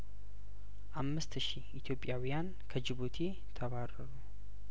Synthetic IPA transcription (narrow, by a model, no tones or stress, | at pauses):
ʔamːɨst̪ʃiʔɪt̪jo̞pʼːjawjan | kʰəd͡ʒɪβot̪ʰe | t̪ʰəβarɐɾu